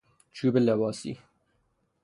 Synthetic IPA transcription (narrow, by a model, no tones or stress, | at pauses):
t͡ʃʰuːbəlɛbɑːsḭː